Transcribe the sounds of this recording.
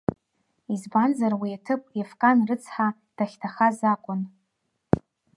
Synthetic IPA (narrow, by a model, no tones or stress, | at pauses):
izbanzarwiatʰɨpʼefkʼanrɨt͡sʰħa | d̥aχʲtʰaχazakʷʼʊn